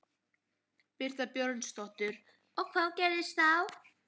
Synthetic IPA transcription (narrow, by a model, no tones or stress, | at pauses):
pɪɾ̥t̪apjœɾt̪st̪ɔht̪ʏɾ̥ | ɔɣkʰvaːwcɛːɾɪst̪θaw